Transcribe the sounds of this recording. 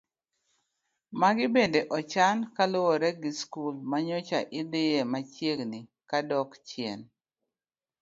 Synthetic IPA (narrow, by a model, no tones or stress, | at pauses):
maɡɪbedeʔɔt͡ʃankalowɔɾɛɡɪskulmaɲot͡ʃaʔɪd̪ɪjemat͡ʃjeɡnikadɔkt͡ʃjɛn